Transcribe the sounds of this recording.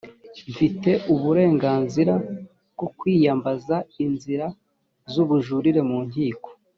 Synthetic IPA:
ɱfite̞ʔuβuɾe̞ːŋɡaːnziɾa | b̚ɡokwiːjambazainziɾa | zuβuʒuɾiɾe̞muːn̥hiːko̥

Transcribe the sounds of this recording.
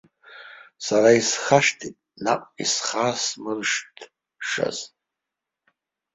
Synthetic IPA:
saraisχaʂtʰitʼna̰qʷʼisχasmɨrʂtʰ | ʂa̰z

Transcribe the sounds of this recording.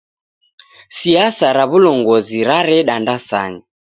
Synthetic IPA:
siasaɾaβulɔŋɡɔziɾaɾɛɗandasa̰ɲi

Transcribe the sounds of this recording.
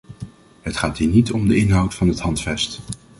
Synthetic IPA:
ɦətχaːtɦiːnitɔmdəɪnɦʌwtfɑnɦətɦɑntfɛst

